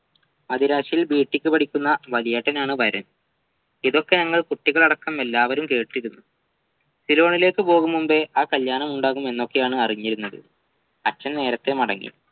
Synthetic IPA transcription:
ɐðiɾaːɕijilbiːʈːikʲːɨpɐʈʰikʲːunːɐʋɐlijɐʈːɐnaːɳɨʋɐɾɐn | iðo̞kːe̞ɲɐŋːɐɭkuʈːiɣɐɭɐɽɐkːɐme̞lːaːʋɐɾumke̞ːʈːiɾunːu | silo̞ːɳile̞ːkːɨpo̞ːɣumːumbe̞ʔaːkɐljaːnɐmuɳɖaːɣume̞nːo̞kːe̞jaːɳɨɐriɲːiɾunːɐðɨ̰ | ɐt͡ɕːɐnne̞ːɾɐt̪ːe̞mɐɽɐŋːḭ

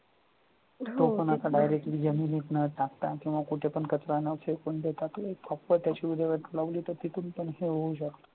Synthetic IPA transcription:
t̪oponakaɖajɾek̚ʈliːd͡zəminiknəʈakt̪akĩw̃ʋakuʈʰepəɳkət͡sɾanəsekoɳd̪et̪at̪oekkʰɔpːəɾt̪jat͡ɕiʋid̪əjʋəʈ̪ləʋliːt̪əɾt̪it̪uːnpəɳɦeɦoud͡ʒakt̪

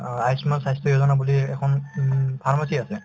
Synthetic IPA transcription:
ajsmalsajstʰɔjozɔnabuliɛkʰɔnpʰaɹmasiasɛ

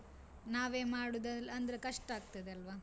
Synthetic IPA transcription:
naːʋeːmaːɽud̪ɐlɐnd̪ɐɾekɐʂʈaːɡ̚t̪ɐd̪eɐlʋaː

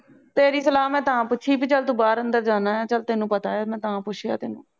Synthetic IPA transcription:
t̪eːɾiːsəlaːmɛ̃ːt̪əãːpʊtːʃʰiːpiːt͡ʃəlt̪uːbaːɾənd̪əɾd͡ʒaːnãːjaːt͡ʃəlt̪eːnũːpət̪aːeːmɛ̃ːt̪əãːpʊʃʰja̰ːt̪eːnũː

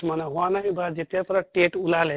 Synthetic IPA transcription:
manaɦuanaɦĩbad͡ʒet̪epɾəʈeʈulale

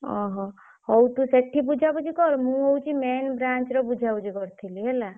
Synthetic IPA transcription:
ɔ̰̃ɦɔ̃ | hɔwt̪useʈʰːibud͡ʒʱabud͡ʒʱikɔɾmũɔwt͡ʃimenbɾãnt͡ʃɾɔbud͡ʒʱabud͡ʒikɔɾt̪ʰiliɦɛla

